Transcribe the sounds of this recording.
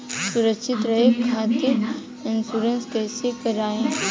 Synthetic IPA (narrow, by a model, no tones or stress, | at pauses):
sʊɾəkʃʰɪt̪ɾɐɦekʰaːt̪ɪ | ɪnsuːɾənskɛːsekɐɾaːẽː